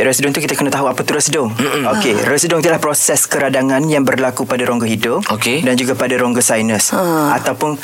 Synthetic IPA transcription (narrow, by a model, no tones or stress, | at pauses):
ɾɛsidɔŋt̪ukit̪akənat̪aɦuapat̪uɾəsdʊŋ̩okerəsdʊŋit̪ulahpɾosɛskəɾadaŋãnjaŋbərlakupadaɾoŋɡoɦidʊpokedand͡ʒuɡapadaɾoŋɡosajnəsa̰t̪awpʊn